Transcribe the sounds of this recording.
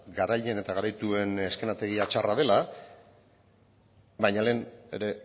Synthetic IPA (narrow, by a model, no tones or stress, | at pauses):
ɡaɾaʎene̞t̪aɣaɾajt̪ue̞ne̞ske̞nat̪e̞ɣiat͡ʃarað̞e̞la | bajɲale̞ːneɾe̞